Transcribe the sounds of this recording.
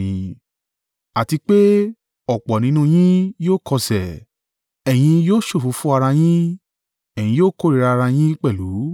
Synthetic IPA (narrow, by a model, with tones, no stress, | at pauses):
ĩ˧ | a˨ti˧k͡pe˦ | ɔ˨k͡pɔ˨nĩ˨˦nũ˦˧j̃ĩ˦joː˦˨kɔ˧sɛ˨ | ɛ˨j̃ĩ˧joː˦˨ʃo˦˨fũ˨˦fũ˦a˧ɾa˧j̃ĩ˦ | ɛ˨j̃ĩ˧joː˦ko˦ɾi˨ɾa˧ɾa˧j̃ĩ˦k͡pɛ˦˨lu˨˦